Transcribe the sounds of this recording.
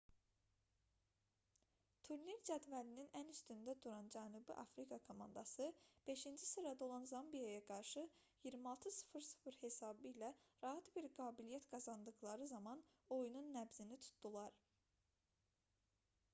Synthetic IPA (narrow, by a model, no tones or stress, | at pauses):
t̪ʰuɾniɾd͡ʒæd̪vælininænyst̪ynd̪æd̪uɾɑnd͡ʒænubḭʔɑ̰fɾikʰɑkʰo̞mɑ̰nd̪ɑsɯb̥e̞ʃind͡ʒisɯɾɑd̪ɑo̞lˠɑnzɑmbijajɑɡɑɾʃɯ | jiɾmiɑlˠt̪ʰɯsu̥fɯɾsu̥fɾhe̞sɑːbɯilæɾɑɦɑt̪biɾɡɑːbilijæt̪ɡɑzɑnd̪ɯɣlˠɑɾɯzɑmɑno̞jununːæbzinit̪ʰu̥t̪ʰd̪̥ulˠɑɾ